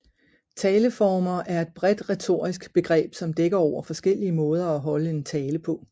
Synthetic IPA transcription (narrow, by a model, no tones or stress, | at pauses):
t͡sʰɛːləfɒːmɐʔæɐe̝d̥̚b̥ʁɛd̥ʁet͡sʰo̝ːɐ̰isɡ̥b̥e̝ɡ̥ʁɛ̰ːb̥sɒ̽md̥eɡ̥ɐɒʊ̰ɐfɒ̽sɡ̥el̰iəmɔ̽ːð̞ˠɐæɦɒ̽ləe̝nt͡sʰɛːləpʰɒ̽